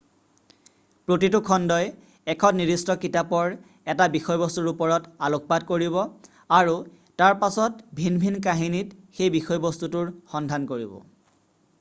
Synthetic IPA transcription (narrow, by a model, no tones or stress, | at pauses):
pɹotitʊkʰɔndɔj | ɛkʰɔtniɹistɔkitapɔɹ | ɛtabixɔjbɔstuɹupɔɹɔtalok̚ɔpadkoɹibɔ | aɹu | taɹpasɔtbʱinbʱinkaɦinitxejbixɔjbɔstutʊɹxɔndʱankoɹḭbɔ̰